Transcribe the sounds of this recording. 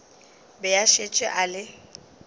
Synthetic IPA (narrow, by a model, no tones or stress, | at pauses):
bɛjaʃet͡ʃʼɛ̰ʔalɪ